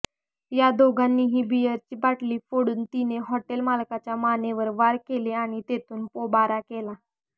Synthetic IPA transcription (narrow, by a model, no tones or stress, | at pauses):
jad̪oɡʱanːiːɦiːbijəɾt͡ɕiːbaʈliːfoɽuːnt̪ineɦɔʈelmalkat͡ɕjamaneʋəɾʋaɾkeleaɽ̃it̪et̪ʰuːnpobaɾakela